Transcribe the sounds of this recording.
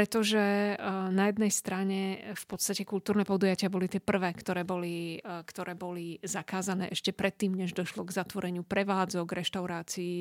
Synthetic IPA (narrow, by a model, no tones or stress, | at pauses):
pɾɛt̪ɔʒɛnajɛd̪nɛjst̪ɾaɲɛfpɔt̪st̪acɛkult̪uːɾnɛːpɔd̪ujacɪabɔlit̪ɪɛpr̩ʋɛːkt̪ɔɾɛːbɔlikt̪ɔɾɛːbɔlizakaːzanɛ̰ːʔɛʃcɛpɾɛt̪ːiːmɲɛʒd̪ɔʃlɔɡzat̪ʋɔɾɛɲɪupɾɛʋaːd͡zɔɡɾɛʃt̪aʊɾaːt͡sii